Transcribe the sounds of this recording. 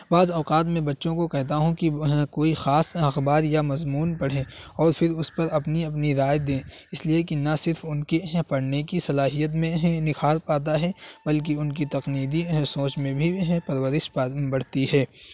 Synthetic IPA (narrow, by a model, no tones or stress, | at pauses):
baːzɔːqaːt̪̬mẽbɐtːʃõkokɛɦt̪aɦũkiɦkoːixaːsɐxbaːɾjamɐzmuːnpɐɽ̤ẽ | ɔːɾpʰɪɾʊspɐɾɐpniɐpniɾaːjd̪ẽːɪsliekinasɪɾfʊnkepɐɽ̤nekisɐlaːɦijət̪̬mẽɦnɪkʰaːɾpaːt̪aɦɛbɐlk̬iʊnk̬it̪ɐqniːd̪isoːt͡ʃmẽbʱiɦɛ̃pɐɾwəɾɪʃbɐɽ̤t̪iɦɛː